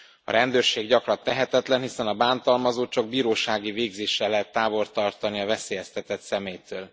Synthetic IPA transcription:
ɒ̰ɾɛnd̪øːrʃeːɡɟɒkrɒnt̪ɛɦɛt̪ɛt̪lɛnɦisɛnɒbaːnt̪ɒlmɒzoːt͡ʃɒɡ̚biːɾoːʃaːɡiveːɡzeːʃːɛlːɛɦɛt̪ːaːvo̞rt̪ɒrt̪ɒniɒvɛseːjɛst̪ɛt̪ɛt̪sɛmeːjt̪øːl

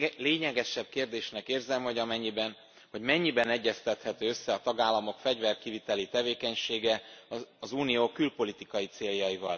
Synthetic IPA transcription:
leːɲɛɡɛʃɛb̥̚keːrd̪eːʃnɛkeːrzɛmho̞ɟɒmɛɲːibɛn | ho̞ɟmɛɲːibɛnɛɟːɛst̪ɛt̪hɛt̪øːøsːɛɒt̪ɒɡaːlːɒmo̞kfɛɟvɛrkivit̪ɛlit̪ɛveːkɛɲʃeːɡɛɒzuːnijoːkylpo̞lit̪ikɒjit̪seːljɒjivɒ̰l

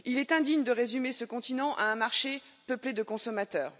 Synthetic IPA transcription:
ilɛt̪ɛ̃d̪iɲd̪əʁezymesəkɔ̃t̪inɑ̃ʔa̰ɛ̃maʁʃe | pəpled̪əkɔ̃sɔmat̪œːʁ

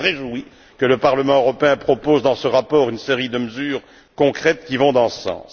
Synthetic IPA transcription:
ʁeʒui | kələpaʁləmɑ̃øʁɔpeɛ̃pχɔpozd̪ɑ̃səʁapɔːʁynseʁid̪əməzyːʁ | kɔ̃kχɛt̪kʲivɔ̃d̪ɑ̃sɑ̰̃ːs

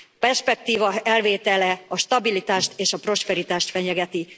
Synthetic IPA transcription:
pɛrʃpɛk̚t̪iːvɒɛlveːt̪ɛlɛɒʃt̪ɒbilit̪aːʃt̪eːʃɒpro̞ʃpɛɾit̪aːʃt̪fɛɲɛɡɛt̪i

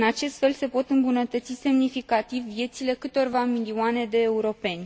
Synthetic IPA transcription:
ɨnat͡ʃe̞st̪fe̞lse̞po̞t̪ɨmbunət̪ət̪sise̞mnifikat̪ivːje̞t̪sile̞kɨt̪o̞rvamilioane̞d̪e̞ːuɾo̞pe̞nʲ

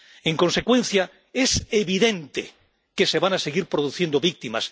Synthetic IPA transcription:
eŋko̞nse̞kwẽ̞nθja | eseβiðẽ̞nt̪e | kese̞βanaseɣiɾpɾoðuθje̞nd̪oβik̚t̪ima̰s

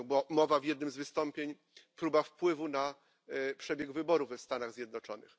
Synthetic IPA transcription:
ɡbamɔvavʲjɛd̪nɘmzvɘst̪ɔmpʲjeɲ | pɾubafpwɘvuna | pʂɛbʲjɛɡvɘbɔɾuvɛfst̪anaɣzʲjɛd̪nɔt͡ʂɔnɘ̰x

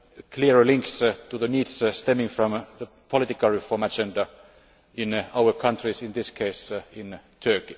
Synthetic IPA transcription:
kʰliəɹlɪ̃ŋkstuðəniːdsst̪ɛmɪ̃ŋfɹɔ̃mðə | pʰɔlɪt̪ɪkalˠɹɪfɔːɹmæd͡ʒɛ̃nda | ʔɪ̃naʊə˞kʰʌ̃ntʰɹisɪ̃nðɪskʰeɪsɪ̃nt̪ʰɜ˞ki

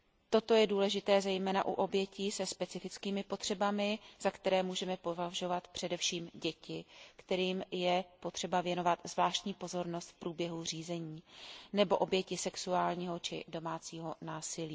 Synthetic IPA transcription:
t̪o̞t̪o̞jɛduːlɛʒɪt̪ɛːzɛjmɛːnaʔṵʔo̞bjɛciːsɛspɛt͡sɪfɪt͡skiːmɪpo̞t̪r̝̥ɛbamɪz̥akt̪ɛɾɛːmuːʒɛmɛpo̞vaʒo̞vat̪pr̝̥ɛdɛfʃiːmɟɛcɪkt̪ɛɾiːmjɛpo̞t̪r̥ɛbavjɛno̞vat̪zvlaːʃc̪ɲiːpo̞zo̞ɾno̞st̪fpɾuːbjɛɦur̝iːzɛɲiːnɛbo̞ʔo̞bjɛcɪsɛksuaːlɲiːɦo̞t͡ʃɪ̰do̞maːt͡siːɦo̞naːsɪliː

